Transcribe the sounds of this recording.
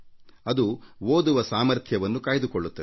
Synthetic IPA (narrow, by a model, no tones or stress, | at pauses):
ɐd̪uoːd̪uʋɐsaːmɐɾt̪ʰjɐʋɐnːukaːjid̪ukoɭːut̪ːɐ